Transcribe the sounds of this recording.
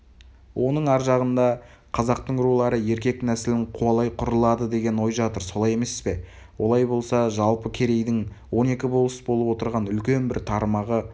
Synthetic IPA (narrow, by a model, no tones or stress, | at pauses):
wʔo̞nəɴɑɾʒɑʁənd̪ɑ | qʰɑzɑqt̪əɴɾulˠɑɾəje̞ɾkʲe̞k̚næsɪlɪɴqʰuɑlˠɑjqʰʊɾəlˠɑd̪əd̪e̞ɡʲe̞nwo̞jʒɑt̪əɾso̞lˠɑje̞me̞sɪzbe̞ | wʔo̞lˠɑjbo̞lˠsɑʒɑlˠpəkʲʰe̞ɾe̞jd̪ɪŋwo̞ne̞kʲɪbolˠəsbo̞lˠəpwo̞t̪əɾʁɑnʏlkʲe̞nbɪɾt̪ʰɑɾmɑʁə